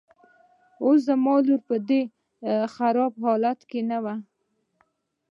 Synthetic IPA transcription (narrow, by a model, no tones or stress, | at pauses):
os̬d̪əmɑluɾpəd̪e | xaɾɑb̚hɑlat̪kenawa